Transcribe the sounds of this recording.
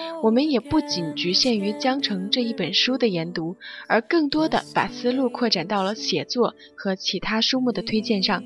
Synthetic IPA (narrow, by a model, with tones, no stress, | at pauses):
wɔ˨˩mə˧˦njɛ˨˩pu˥˩t͡ɕi˨˩nt͡ɕy˧˥ɕjɛ˥˩ny˧˥t͡ɕjɑ˥ŋʈ͡ʂʰɤ˧˥ŋʈ͡ʂɤ˥˧i˥˩pə˨˩nʂu˥d̪ə˨jɛ˧˥nt̪u˧˥ə˞˧˥kɤ˥˩ŋt̪wɔ˥d̪ə̰˨pa̰˨˩sɹ̩˥lu˥˧kʰwɔ˥˩ʈ͡ʂa˨˩nt̪ɑ˥˩ʊlə˩ɕjɛ˨˩t͡swɔ˥˩ | xɤ˧˥t͡ɕʰi˧˥t̪ʰa˥ʂu˥mu˥˩d̪ə˩t̪ʰwe˥ɪt͡ɕjɛ˥˧nʂɑ˥˩ŋ